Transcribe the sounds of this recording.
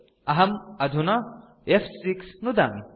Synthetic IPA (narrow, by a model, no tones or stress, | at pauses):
ɐɦɐmɐd̪ʱunɐ | efsiksnud̪ɐ̰n